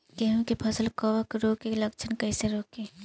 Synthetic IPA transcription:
keɦũkepʰɐsəlkəʋəkɾoːkeləkt͡ʃʰənkɐɪseɾoːkeː

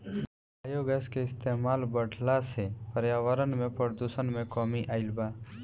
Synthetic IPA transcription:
aːjoːɡɛskeɪst̪eːmaːlbəɽ̤ʱlasepəɾjaːʋəɾənmẽpəɾd̪usənmẽkɔːmiʔaːɪlbaː

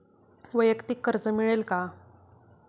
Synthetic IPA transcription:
ʋəjəkt̪ikːəɾd͡zəmiɭelka

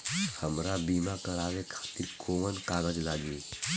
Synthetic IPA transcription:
həmɾabimakɐɾawekʰat̪iɾkʰomənkaɡəd͡ʒlaɡi

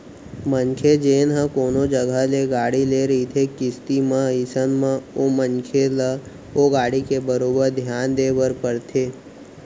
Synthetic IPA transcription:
mənkʰed͡ʒeːnɦə̃koːnod͡ʒəɡʱəleɡaːɽileːɾəɦit̪ʰekɪst̪imə̃ɪsənmə̃oːmənkʰelə | oːɡaːɽikebəɾoːbəɾd̪ʱjaːnd̪eːbəɾpəɽt̪ʰeː

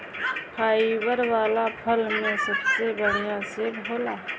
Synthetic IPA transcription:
pʰaːiwəɾwaːlapʰəlmẽsəbsebəɽ̤ijaseoːlaː

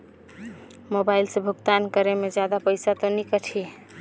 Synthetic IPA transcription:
mobailsẽbʱuɡt̪ankəɾemed͡ʒjad̪apəjsat̪ɔnikəʈʰi

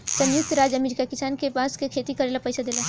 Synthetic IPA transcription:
sɐ̃njʊk̚t̪ɾaːd͡ʒɐmeːɾikakɪsaːnkepaːskekʰeːt̪ikɐɾeːlapɐjsad̪eːla

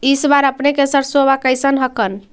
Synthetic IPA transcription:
isbaɾəpnekesəɾsoβakəjsənɦəkən

